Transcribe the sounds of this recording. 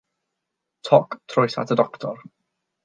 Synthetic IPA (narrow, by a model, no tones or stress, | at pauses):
tʰɔktʰrɔjsa̰tʰədɔktʰɔr